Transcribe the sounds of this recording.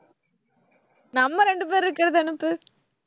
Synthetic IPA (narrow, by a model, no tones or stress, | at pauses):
nɐmːɐɾɛɳɖɯp̬eːɾɪɾɯkːɪɾɐðɯɐnɯpːɯ